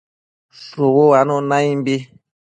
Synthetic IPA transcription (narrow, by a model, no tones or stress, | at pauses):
sowowanɔ̃nãimbe